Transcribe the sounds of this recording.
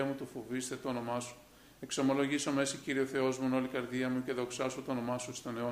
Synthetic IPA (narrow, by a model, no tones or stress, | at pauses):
ɐmut̪ufovist̪et̪oːno̞mɐsu̥ | e̞kso̞mo̞lo̞ʝiso̞me̞siciɾioθe̞o̞zmuno̞likɐɾðiɐmuce̞ðo̞ksɐsut̪oːno̞mɐsust̪o̞neo